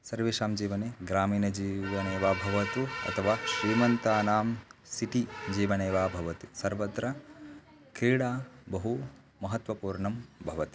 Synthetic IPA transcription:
sɐɾʋiːʃaːmd͡ʒiːʋɐneːɡɾaːmiːnɐd͡ʒiːʋɐneːʋaːbʱɐʋɐt̪uɐ̰t̪ʰɐʋaːʃɾiːmɐnt̪aːnaːmsiʈid͡ʒiːʋɐneːʋaːbʱɐʋɐt̪isɐɾʋɐt̪ɾɐ | kɾiːɽaːbɐɦu | mɐɦɐt̪ʋɐpuːɾɳɐmbʱɐʋɐt̪i̥

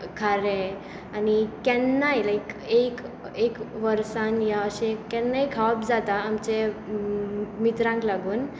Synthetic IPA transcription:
kʰaɾe | anikɛnːajlajkek | ekʋəɾsanjaəɕẽkɛnːajkʰapd͡zat̪aːmt͡ɕe | mit̪ɾãŋklaɡuːn

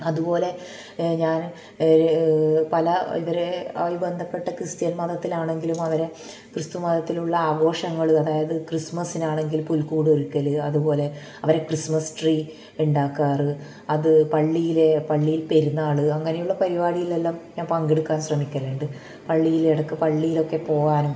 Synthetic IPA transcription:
ɐðupo̞ːle̞ | ɲaːn | pɐlɐḭʋɐɾe̞ɐ̰ʋibɐnd̪ʱɐpːe̞ʈːɐkrɨst̪jɐnmɐðɐt̪ːilaːɳe̞ŋɡilumɐʋɐɾe̞ | krɨst̪umɐðɐt̪ːiluɭːɐaːɡo̞ːʂɐŋːɐɭɨɐðaːjɐðɨkrismɐsinaːɳe̞ŋɡilpulkuːɽoɾukːɐlɨɐðupo̞ːle̞ | ɐʋɐɾe̞krismɐsʈriː | uɳɖaːkːaːrɨ | ɐðɨpɐɭːijile̞pɐɭːijilpeɾunːaːɭɨɐŋːɐnejuɭːɐpɐɾibaːɽijilelːaːmɲaːnpɐŋɡeɽukːaːnɕrɐmikʲːɐʋeːɳɖɨ | pɐɭːijileɽɐkːɨpɐɭːijilo̞kːe̞po̞ːɣaːnum

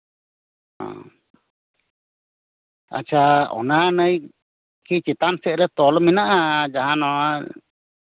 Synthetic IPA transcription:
hã̰ | a̰t͡ʃʰaɔ̰nanəj | kʰit͡ʃit̪ansɛʔ̚ɾɛt̪ɔlɔminaʔad͡ʒaɦanɔa

